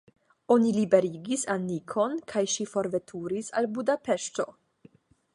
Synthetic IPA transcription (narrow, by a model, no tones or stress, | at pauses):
o̞nilibe̞ɾiɡisanikʰo̞nkʰajʃifo̞ɾve̞tʰuɾisa̰lbudape̞ʃto̞̰